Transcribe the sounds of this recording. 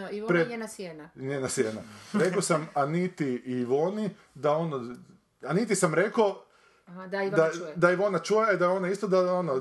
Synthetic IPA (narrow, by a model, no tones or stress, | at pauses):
pɾeenasenaɲenasjenaɾekosamanit̪iiʋoni | d̪aono | anit̪isamɾe̞ko | d̪ad̪ad̪aiʋo̞nat͡ʃujed̪aeo̞naist̪od̪aono